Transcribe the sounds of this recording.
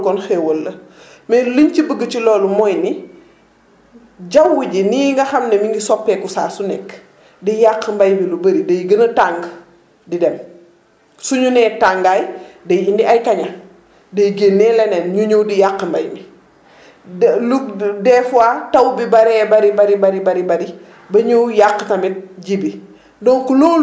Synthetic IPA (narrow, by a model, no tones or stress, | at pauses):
kɔnxɛwolːə | mɛliɲt͡ʃibəɡːət͡ʃilɔːlumɔjni | d͡ʒɐwːuɟiniŋɡɐxɐmnɛmiŋɡisɔpːɛːkusaːsunɛkː | dijaqːəmbɐjmilubəɾidɐjɡənətaŋɡ | didɛm | suɲunɛːtaŋɡaːjdɐjindiʔɐjkɐɲɐ | dɐjɡənːɛːlɛnɛnɲuɲuwdijaqːmbɐjmi | ludɛːfuatɐwbibɐɾɛːbɐɾibɐɾibɐɾibɐɾibɐɾi | bɐɲujaqːətɐmit̚ɟibi | dɔŋkulɔː